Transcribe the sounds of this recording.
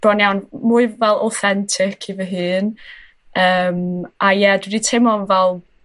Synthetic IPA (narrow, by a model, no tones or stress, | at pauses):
b̥ɔnjawnmuɨvɛlˠa̰wθɛntʰɪkʰivəɦɨːn | əːmajɛdwɪditʰemɔvɛlˠ